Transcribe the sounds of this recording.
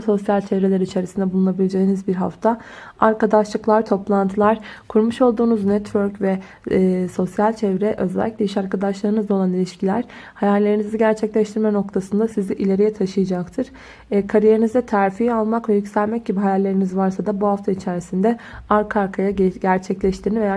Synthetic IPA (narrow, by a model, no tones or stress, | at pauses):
so̞sjalʲt͡ʃʰevɾelʲɛɾiit͡ʃʰe̞ɾisind̪ɛbulˠunabilʲed͡ʒe̞jinizbiɾɦa̰ft̪ʰaaɾkad̪aʃlˠɯklˠaɾt̪ʰo̞plˠant̪ʰɯlˠaɾ̥kʰuɾmuʃo̞lˠd̪uːnuznɛt̪vøɾcvɛ | so̞sjalʲt͡ʃʰɛvɾɛʔø̞zɛlʲːiclʲeiʃaɾkad̪aʃlˠaɾɯnɯzd̪ao̞lˠanilʲiʃcʰilʲæɾ̥hajalʲːe̞ɾiniziɟæɾt͡ʃʰɛclʲɛʃt̪ʰiɾmɛno̞k̚t̪ʰasɯnd̪asiziʔilʲe̞ɾijɛt̪ʰaʃɯjad͡ʒakt̪ʰɯɾ̥ | kʰaɾije̞ɾinizɛt̪ʰæɾfijalˠmakvɛjycʲsælʲmɛc̚ɟibiɦajalʲːe̞ɾinizvaɾsad̪abuɦaft̪ʰait͡ʃʰeɾisind̪ɛaɾkʰaɾkʰajaɟæɾt͡ʃʰɛclʲɛʃt̪ʰiɾniveja